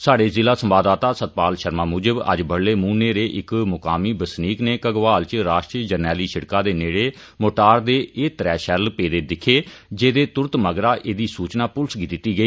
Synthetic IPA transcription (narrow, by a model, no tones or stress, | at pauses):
saːɽeːzɪlaːsəmbaːd̪aːt̪aːsət̪̚paːlʃəɾmaːmuːd͡ʒəbə̰d͡ʒbəɽleːmuːneːɾeːʔɪkmʊkaːmiːbəsniːkneːkəɡʋaːlt͡ʃɾaːʃʈɾiːd͡ʒəɾnɛːliːʃɪɽkaːd̪eːneːɽeː | moːʈaːɾd̪eːʔeːt̪ɾɛːʃɛɾlpeːd̪eːd̪ɪkʰːeːd͡ʒeːd̪eːt̪ʊɾət̪məɡɾaːʔeːd̪iːsuːt͡ʃnaːpʊlsɡit̪ɪt̪ːiːɡəiː